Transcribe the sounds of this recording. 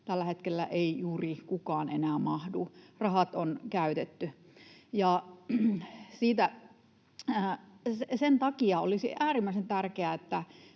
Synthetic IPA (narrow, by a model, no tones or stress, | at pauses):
t̪ælːæhet̪kelːæ̰ʔeijuːrikukɑːnenæːmɑhdurɑhɑt̪onkæyt̪et̪ːy | jɑ | siːt̪æ | sesent̪ɑkiɑo̰lisḭæːrimːæisent̪ærkeæet̪ːæ